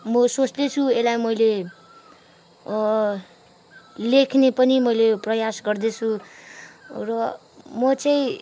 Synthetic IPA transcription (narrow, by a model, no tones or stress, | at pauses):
mʌsot͡sd̪et͡sʰuelajmʌjle | lekʰnepʌnimʌjleprʌjasɡʌrd̪et͡sʰu | rʌ | mʌt͡sʌĩ